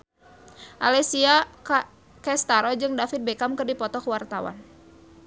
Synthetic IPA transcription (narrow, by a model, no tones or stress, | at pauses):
ʔalɛsia | kɛst̪aɾɔd͡ʒɨŋdafit̪̚bekamkɨrdipɔt̪ɔkwart̪awa̰n